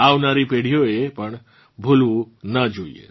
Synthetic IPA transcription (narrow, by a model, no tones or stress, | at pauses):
awnaɾipeɽ̤ijoepəɳ | bʱulũ | nəd͡ʒoḭḛ